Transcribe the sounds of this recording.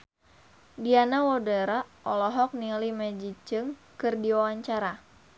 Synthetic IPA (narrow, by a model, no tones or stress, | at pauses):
dianawɔdaɾaʔɔlɔɦɔk̚nilimɛd͡ʒit͡ʃɨŋ | kɨrdiwawaɲt͡ʃaɾa